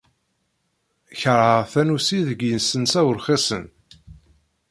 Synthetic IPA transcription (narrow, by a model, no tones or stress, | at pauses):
çəɾˤəʁθænusiðəɡjənsənsæwəɾχesən